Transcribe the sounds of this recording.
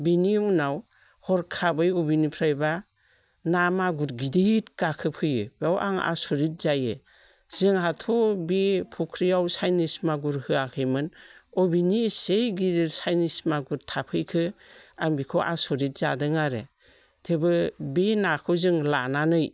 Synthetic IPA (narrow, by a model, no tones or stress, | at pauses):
binimunaw | hɔɾkʰabɯjɔbinipʰɾajba | namaɡuɾɡidit̚kakʰɯpʰɯjɯbawʔa̰ŋa̰sɔɾit̚zajɯ | z̥ɯŋɦatʰɔbipʰukʰɾijawsajnismaɡuɾhɯakʰɯjmɯnɔbinisejɡidiɾsajnismaɡuɾtʰapʰɯjkʰɯaŋbikʰɔʔa̰sɔɾit̚z̥adɯŋaɾe | tʰebɯbinakʰɯzɯŋlananɯj